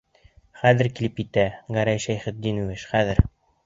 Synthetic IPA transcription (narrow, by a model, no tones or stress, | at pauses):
χæðɘ̆ɾkilɘpkit̪æɡæɾæjʃæjχɘ̆t̪̚d̪inuwɘʃχæðɘɾ